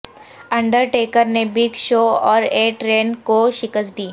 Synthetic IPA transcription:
ɐ̃ɳɖəɾʈeːkəɾnebɪɡʃoːɔːɾeːʈɾeːnkoʃɪkəsd̪iː

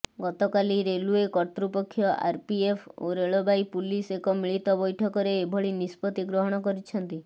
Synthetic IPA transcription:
ɡɔt̪ɔkaliɾeluekɔɾt̪ɾupɔkʰːjɔʔa̰ɾpiepʰoɾeɭobajpulisekɔmiɭit̪ɔbɔjʈʰɔkɔɾeːbʱɔɭinispɔt̪iɡɾɔɦɔɽ̃ɔkɔɾit͡ʃʰɔnt̪i

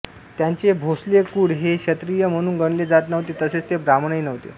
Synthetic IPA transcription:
t̪jaɲt͡ɕebʱoslekuːɽɦeɕət̪ɾijəm̤əɽ̃uːnɡəɳled͡zat̪nəʋt̪et̪əset͡st̪ebɾamɳəjnəʋt̪ḛ

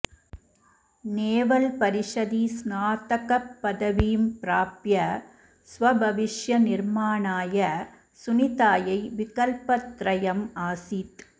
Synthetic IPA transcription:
neːʋɐlpɐɾɪʂɐðisnaːt̪ɐkɐpːɐðɐʋijmpɪɾaːpjɐ | sʋɐbʱɐʋɪʂjɐnɪɾmaːɳaːjɐ | sʊnɪðaːjɐɪʋɪkɐlpɐt̪ːɾɐjɐmaːsit̪

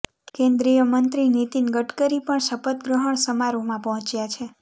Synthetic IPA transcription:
kẽnd̪ɾijəmənt̪ɾinit̪inɡəʈkəɾipəɳʃəpət̪̚ɡɾəɦəɳsəmaɾomãpəɦɔ̃t͡ʃjat͡ʃʰe

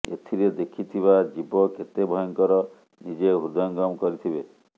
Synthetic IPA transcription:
ḛt̪ʰiɾed̪ekʰit̪ʰiβad͡ʒibɔket̪ebʱɔjɔŋkɔɾɔ | nid͡ʒeɦuɾd̪ɔŋɡɔmkɔɾit̪ʰibe

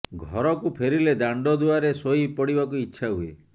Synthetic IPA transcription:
ɡʱɔɾɔkupʰeɾiled̪aɳɖɔd̪uaɾesoipɔɽiβakuitːʃʰaɦue

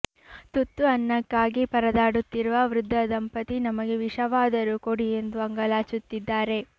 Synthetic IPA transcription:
t̪ut̪ːuɐnːɐkːaːɡipɐɾɐd̪aːɽut̪ːiɾuʋɐʋɾud̪ʱːɐd̪ɐmpɐt̪inɐmɐɡe̞ʋiʂɐʋaːd̪ɐɾukoɽie̞nd̪uɐŋɡɐlaːt͡ʃut̪ːid̪ːaːɾe̞

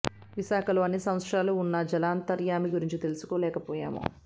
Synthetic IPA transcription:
ʋiʃaːkɐloːɐnːisɐmɐt̪sɾaːluːnːɐd͡ʒɐlaːnt̪ɐɾjaːmiɡuɾiɲt͡ʃit̪e̞lusu̥koːlɛːkɐpɔːja̰ːmo̰ː

